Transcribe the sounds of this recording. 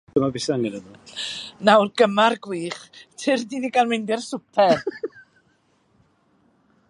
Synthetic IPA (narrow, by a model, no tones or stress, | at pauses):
ɡ̥əmabɪsaŋɛnənunawrɡəmarɡwiːχtʰɪrdiniɡalˠmɪndɪrsʊpʰɛr